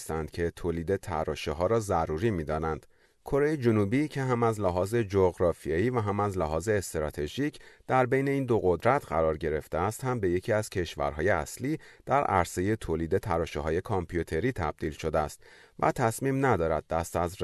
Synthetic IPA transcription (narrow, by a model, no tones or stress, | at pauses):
st̪ænd̪̥̚cʰe̞t̪ʰoːliːd̪e̞t̪ʰæɾɒːʃeɦɒːɾɒːzæɾuːɾiːmiːd̪ɒːnænd̪̥ | kʰo̞ɾe̞jed͡ʒonubiːcʰe̞ɦæmæzlæɦɒːze̞d͡ʒoɣɾɒːfieiːvæɦæmæzlæɦɒːze̞ːst̪ɾɒːt̪ʰe̞ʒicʰd̪̥æɾbe̞jne̞iːnd̪o̞ɣo̞d̪ɾæt̪ʰɢæɾɒːɾɟe̞ɾe̞ft̪eæst̪hæmbe̞je̞cʰiːæz̥cʰe̞ʃvæ̰ɾɦɒːje̞æsliːd̪̥æɾʔæ̰ɾse̞je̞t̪ʰoːliːd̪e̞t̪ʰæɾɒːʃeɦɒːje̞kʰɒmpʰjut̪ʰe̞ɾiːt̪ʰæb̥̚d̪iːlʃo̞d̪eæst̪ | væ̰t̪ʰæsmiːmnæd̪ɒːɾæd̪̚ːæst̪æz